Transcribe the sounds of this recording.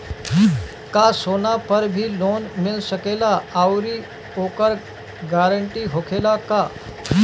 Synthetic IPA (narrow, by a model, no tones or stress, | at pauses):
kasonapəɾbʱiːlonmilɕəkelaawɾiː | okəɾ | ɡaɾəɳʈiːɦokʰelaka